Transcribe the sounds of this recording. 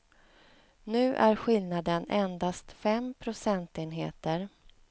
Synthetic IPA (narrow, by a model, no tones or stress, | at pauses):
nʉ̟ːʔæɾɧɪlnad̪ənɛnd̪ast̪fɛmpʰɾʊsɛnt̪eːnɦeːt̪əɾ